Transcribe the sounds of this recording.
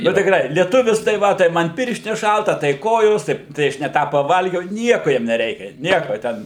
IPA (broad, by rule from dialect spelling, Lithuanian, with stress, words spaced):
nʊ tʲɪkˈrɐɪ lʲiɛˈtʊʋʲɪs tɐɪ ˈʋɐ tɐɪ ˈmɐn ˈpʲɪrʲʃʲtʲɪnʲɛs ˈʃɐlˠtɐ tɐɪ ˈkoːjoːs tɐɪ tɐɪ ˈɐʃ nʲɛ ˈtɑː pɐˈʋɐlʲɡʲɛʊ ˈnʲiɛkʊ ˈjiɛm nʲɛˈrʲɛɪkʲɛ ˈnʲiɛkoː ˈtʲɛn